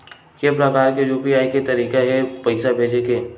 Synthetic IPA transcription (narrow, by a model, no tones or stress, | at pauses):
kepɾɐkaːɾkejuːpiaːiket̪ɐɾiːkeɦɛpɐɪsabʱeːd͡ʒekeː